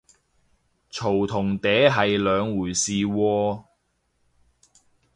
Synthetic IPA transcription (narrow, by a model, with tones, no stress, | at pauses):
t͡ʃʰo˨˩wt̪ʰʊ˨˩ŋt̪ɛː˨˥ɦɐ˨jlœː˨˧ŋwuː˨˩jsiː˨wɔː˧